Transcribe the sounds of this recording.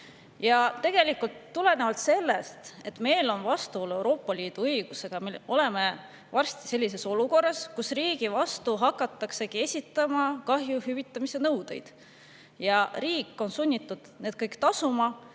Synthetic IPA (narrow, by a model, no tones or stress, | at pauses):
jɑt̪e̞ɡ̥e̞likːˑult̪ːule̞ne̞vɑlt̪se̞lːe̞st̪e̞t̪ːme̞jlo̞nvɑst̪uole̞wɾo̞ːpːˑɑliːd̪̥uɤjɡ̥use̞ɡ̥ɑmeo̞le̞me̞ | vɑrst̪i̥se̞lʲːis̬e̞so̞luko̞rːɑskusriːɡ̥ivɑst̪uɦɑkːˑɑt̪ːˑɑkse̞kie̞sʲit̪ːˑɑmɑkɑɦjuhyvit̪ˑːɑmise̞nɤwd̪̥e̞̰jd̪̥ | jɑriːkːˑo̞nsunʲːit̪ːˑud̪̥ne̞d̪̥̚kɤjkt̪ɑsumɑ